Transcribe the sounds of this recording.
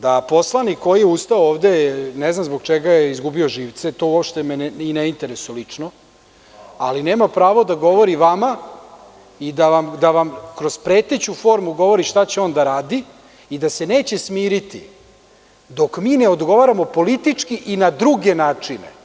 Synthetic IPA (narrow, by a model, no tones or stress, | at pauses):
d̪apo̞slˠanikːo̞jijeust̪aooːʋd̪e̞neznamzbo̞ɡt͡ʃeɡajeizɡubio̞ʒiːʋt̪se̞t̪o̞uopʃt̪emenineint̪e̞ɾesujolit͡ʂno | aline̞ːmapɾaːʋo̞d̪aɡo̞ʋo̞ɾiʋama | id̪aʋamd̪aʋamkɾo̞zpɾe̞ːt̪e̞t͡ɕufo̞ːɾmuɡo̞ʋo̞ɾiʃt̪at͡ɕeo̞nd̪aɾaːd̪i | id̪ase̞ne̞ːt͡ɕesmiːɾit̪ḭ | d̪o̞kmiːne̞o̞d̪ɡo̞ʋaːɾamo̞po̞lit̪it͡ʂkiʔinad̪ɾuɡe̞naːt͡ʂinḛ